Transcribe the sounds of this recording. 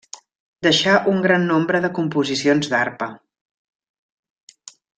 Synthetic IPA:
d̪əʃaʔuŋɡɾanːombɾəðəkumpuzisionzd̪aɾpə

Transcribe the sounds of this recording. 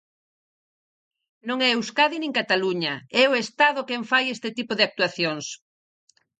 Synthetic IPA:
nõŋɛewskaðinĩŋkat̪aluɲɐɛoest̪aðʊkɛɱfajest̪ɪt̪ipoðeak̚t̪uaθjoŋs

